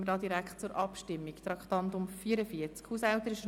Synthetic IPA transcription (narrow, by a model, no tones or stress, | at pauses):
mədɑːd̪iɾækχtt͡sʊɾʔɑpʃtɪmːikt̪ɾɑkt̪ɑnt̪ʊmfiːəɾəfiəɾt͡skhuːsɛlt̪əɾɪʃə